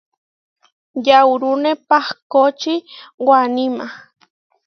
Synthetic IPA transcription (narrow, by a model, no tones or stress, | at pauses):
jawɾunepahkot͡ʃiwanima